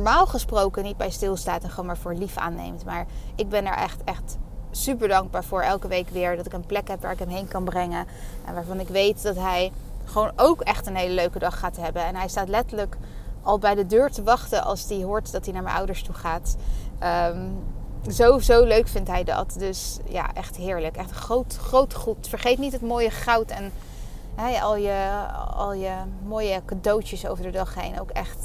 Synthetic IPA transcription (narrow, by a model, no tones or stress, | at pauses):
ɔɹmaːlˠχəsprowkənit̚bɛjstɪlˠstaːtɛnχəonmaːɹvʊːɹlifa̰ːnːḛjmtmaːɹɪɡ̚bɛnɛ̰ɹʔɛ̰χtɛχtsypəɹdɑŋɡ̚baːɹvʊːɹʔɛlˠkəʋejkʋɪːɹdɑtɪkənplɛkɦɛpʋa̰ːɹɪkɦɛmɦejnkɑnbrɛŋə | ʔɛ̰nʋaːɹvɑnɪkʋejtdɑtɦɛjχəʋownowkɛχtənɦejləløɥkədɑχːaːtɦɛbənɛnɦɛjstaːtlɛtələkɑlˠbɛjdədøːɹtəʋɑχtənʔɑ̰lˠsdiɦʊːɹtdɑtdinaːɹmɛ̰nʔʌ̰wdəɹstuχaːtʔəm | zowzowløɥkfɪntɦɛjdɑ̰tdɵsja̰ːʔɛχtɦɪːɹləkɛχtχrowtχrowtχutfəɹχejtnitətmoːjəχɑwtɛn | ɦɛɑ̰lˠjəɑ̰lˠjəmoːjəkadowtjəso̰wvəɹdədɑχḛjno̰wkɛ̰χt